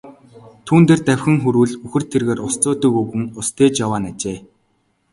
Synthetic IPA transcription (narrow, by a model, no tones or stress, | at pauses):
t̪ʰuːnt̪eːrt̪æwʲxʲɘ̆ŋxuɾuːɮɵxɘ̆r̥t̪ʰerɣeːrʊst͡sʊːt̪ɵ̆kɵɣɘ̆ŋʊst̪ʰeːt͡ɕjawaːnat͡ɕeː